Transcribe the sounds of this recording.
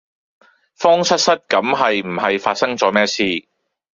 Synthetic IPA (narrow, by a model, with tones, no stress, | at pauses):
fɔː˥ŋsɐ˥t̚sɐ˥t̚kɐ˨˥mɦɐ˨jm̩˨˩hɐ˨jfaː˧t̚sɐ˥ŋt͡sɔː˨˥mɛː˥siː˧